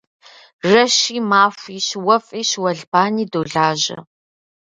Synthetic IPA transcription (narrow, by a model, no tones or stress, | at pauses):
rɐʃiːmaːfʷiːɕwɐfʼiːɕwɐɮbaːniːdoːɮaːʑɐ̰